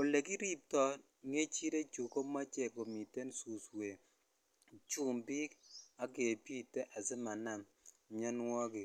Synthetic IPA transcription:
o˨le˨ki˦ɾi˦˨p̚tɔ˦ | ŋe˦t͡ʃi˦ɾe˦t͡ʃu˨ko˦ma˦t͡ʃɛ˨ko˨mi˨te˦n˦su˨swe˨ | t͡ʃu˦˨mbi˦ka˨˦ɡe˨pi˦te˦ʔa˨sɪ˦ma˨na˨m | mɲɔ˦nwɔ˦ɡɪ˨

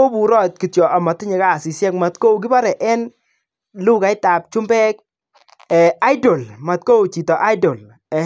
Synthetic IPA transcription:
o˦bu˨ɾɔ˦t̚ki˨tjɔ˨ʔa˨ma˨tɪ˦ɲɪ˨ka˦˨sɪ˨sjɛ˦kma˨tko˦u˨ɡ̬ɪ˦ba˦ɾɛ˨ʔɛ˦n | lu˦ka˨ɪ˦ta˨p̚t͡ʃʊ˦mbɛ˦k̚ | ɛ˨a˦jdo˨lma˨t̚ko˦wt͡ʃi˨tɔ˨ʔa˦ɪdɔ˨l | ɛ˨

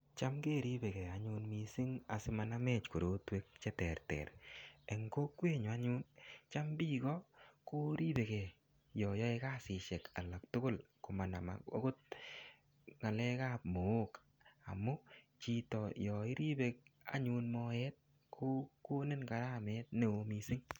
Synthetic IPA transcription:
t͡ʃa˦mkeː˦˨ɾi˦be˨kɛ˨a˨ɲʊ˧nmi˨si˦ŋa˨sɪ˦ma˨na˦mɛ˨t͡ʃku˨ɾo˦twe˦k̚t͡ʃɛ˦tɛ˨ɾtɛ̰˨ɾe˨ŋko˦kwe˦ɲʊ˨a˦ɲu˦nt͡ʃa˦mbi˦kɔ˦ko˦ɾi˦be˨kɛ˨ | jɔ˨jɔ˦e˦ka˦sɪ˨ʃɛ˨ka˨la˨k̚tʊ˦kʊ˦lkʊ˨ma˨na˨ma̰˨o̰˦kʊ˦t̚ | ŋa˨lɛ˦ka˦p̚mo˨o˦k | a̰˨mʊ˦ | t͡ʃi˨tɔ˨jɔ˨i˦ɾi˦be˨k̚a̰˨ɲu˧nmɔ˦ɛ˦t̚ | kʰo˦ko˦ne˦nka˨ɾa˦mɛ˦t̚ne˨o˧mi˨sɪ˦ŋ

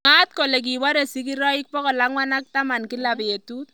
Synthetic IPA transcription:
ŋa˦t̚ko˨le˨k̬i˨wa˦ɾe˨si˦k̬iɾɔ˦i˦k̚pɔ˦kɔ˨laŋwa˦na˦k̚ta˦ma˨nki˦la˨pe˨tu˦t

